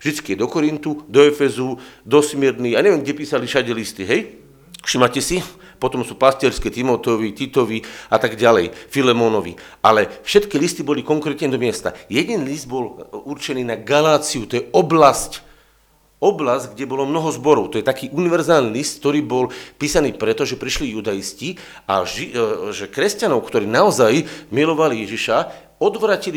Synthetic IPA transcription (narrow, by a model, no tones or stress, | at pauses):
vʒd̪it͡skijɛd̪ɔkɔɾint̪ud̪ɔɛfɛzud̪ɔsmɪɛɾniːaɲɛʋiɛmɡɟɛpiːsaliʃaɟɛlist̪iɦɛj | fʃiːmacɛsi | pɔt̪ɔmsuːpast̪ɪɛɾskɛt̪imɔt̪ɔʋit̪it̪ɔʋiat̪aɡɟalɛjfilɛmɔnɔʋḭʔalɛfʃɛt̪kilist̪ibɔlikɔŋkɾɛt̪ɲɛd̪ɔmɪɛst̪a̰jɛɟɛnlizd̪bɔluɾt͡ʃɛniːnaɡalaːt͡siut̪ɔjɛɔblasc | ɔblazɟɡɟɛbɔlɔmnɔɦɔzbɔɾɔʊt̪ɔjɛt̪akiːʔuniʋɛɾzaːlniːlist̪̚k̚t̪ɔɾiːbɔlpiːsaniːpɾɛt̪ɔʒɛpɾiʃlijud̪ajisci | a̰ʒiʒɛkɾɛscanɔʊkt̪ɔɾiːnaɔzajmilɔʋalijɛʒiʃa | ɔd̪ʋɾaːcili